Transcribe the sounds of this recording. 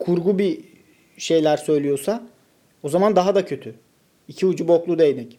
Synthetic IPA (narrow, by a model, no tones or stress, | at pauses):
kʰuɾɡubi | ʃe̞jlʲæɾsø̞jlʲijo̞sa | o̞zamand̪aɦad̪acʰø̞t̪ʰy | icʰiud͡ʒubo̞klˠud̪ejnɛc